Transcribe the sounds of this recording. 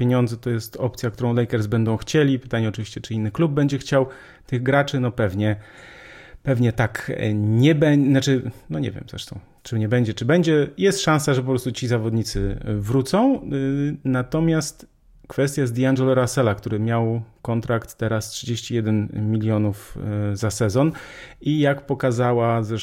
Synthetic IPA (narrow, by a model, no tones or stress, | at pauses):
pʲjeɲɔnd̪zɛt̪ɔjɛst̪ɔp̚t̪sʲjak̚t̪uɾɔ̃w̃lɛjkɛɾzbɛnd̪ɔ̃w̃xt͡ɕelʲipɘ̥t̪aɲɛɔt͡ʂɨvʲiɕt͡ɕɛt͡ʂɘinːɘklub̚bɛɲd͡ʑɛxt͡ɕaw | t̪ɘɣɡɾat͡ʂɘnɔpɛvɲɛ | pɛvɲɛt̪akɲɛbɛnat͡ʂɘnɔɲɛ̰vʲjɛ̰mzɾɛ̰ʂt̪ɔ̃w̃ | t͡ʂɛmɲɛbɛɲd͡ʑɛt͡ʂɘbɛɲd͡ʑɛjɛst̪ʂãnsaʐɛp̬ɔpɾɔst̪ut͡ɕizavɔd̪ɲit̪sɘ̰vɾut̪sɔ̃w̃ | nat̪ɔmʲjast̪ | kfɛst̪ʲjajzd̪ʲianʐɛlɔɾasɛlakt̪uɾɘmʲjawkɔnt̪ɾakt̪ːɛɾastʂɨd͡ʑeɕt͡ɕijɛd̪ɛnmʲilʲjɔnufzasɛzɔnijakpɔkazawazɾɛ